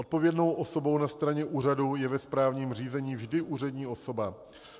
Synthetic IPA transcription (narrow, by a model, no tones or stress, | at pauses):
ot̪̚po̞vjɛdno̞wʔo̞so̞bo̞wnast̪ɾaɲɛʔuːr̝adujɛvɛspɾaːvɲiːmriːzɛɲiːvʒdɪʔuːr̝ɛdɲiːʔo̞so̞ba